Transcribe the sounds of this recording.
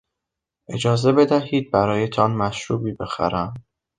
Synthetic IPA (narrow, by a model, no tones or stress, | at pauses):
ʔe̞d͡ʒɒːze̞be̞d̪æɦiːd̪̚bæɾɒːjet̪ʰɒnmæʃɾuːbiːbe̞xæ̰ɾæm